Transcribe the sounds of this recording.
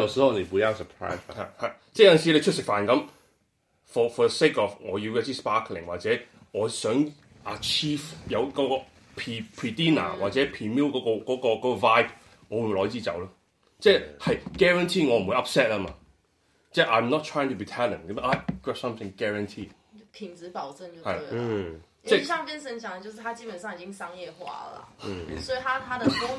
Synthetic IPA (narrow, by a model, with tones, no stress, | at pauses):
ɔ˨sɔ˨˦ɔ˧ne˨wu˨˧a˥sə˨pʰɹ̥a̰ː˥ɪa̰˨ha˨˩t͡sɛː˥˩jɐ˥˨nsi˨˧le˧t͡ʃʰʊ˥sɪ˨k̚faː˨˩nkɐ˨˦m | fɔː˨fɔː˨ðəse˥kɔ˨fŋɔː˨˧ji˧wjɛ˥t͡siː˥spaː˥kʰlɪ̰˨ŋwaː˨t̚t͡sɛː˨˥ŋɔː˨˧sœː˨˥ŋ | ʔɐ˨t͡ʃʰiː˥fjɐ˨˧wkɔː˨˦˥kɔː˧ | pʰiː˧pʰɹiː˧tiː˥na̰ː˨˩waː˨t̚t͡sɛ˨˥pʰiː˨miː˥wkɔː˨˧˥kɔ˧kɔː˨˥kɔː˧kɔː˨˥kɔ˧vaː˥jb | ŋɔː˨˧wu˧lɔː˨˧˥t͡siː˥t͡sɐ̰˨˥wlɐː˥ | t͡sɛ˥˧hɐ˨jɡ̥ɛ˥˧ɹə˧ntʰiː˥˩ŋɔː˨˧m̩˨wu˨˧jʔɐ˥p̚sɛ˥t̚lɐ˧maː˧ | t͡sɛ˥˩ʔa˨˧jmnɔ˥tʰɹ̥aː˥jɪ̃˧ŋtʰu˨biː˨tʰɛ˥lɪ̰̃˨˩ŋ˦˥a˨˧˩kwɛ˥p̚sɐ̃˥mθɪ̃˨ŋɡ̥ɛ˧ɹɐ˧˨ntʰiː˥˩ | p̪ʰi˨˩ŋt͡sɹ̩˨˦pɑ˨˩ʊə˥˧ŋt͡ɕjo˥˩hɐ˨jla | t͡sɛː˥˧ɕɑ˥˨ŋpjɛ˥nsə˨˥nt͡ɕʰjɑ˨˦də˧t͡ɕjo˥˧ʂɻ̩˥˩t̪ʰa˥t͡ɕiː˥pə˨nsɑ˥˩ŋi˨˩t͡ɕɪ˥ŋsɑ˥ŋjɛ˥˧xwa̰˥lɐ̰˨swɔ˧˥i˨˩t̪ʰa˥t̪ʰa˥d̪ə˨kʊ˥ŋ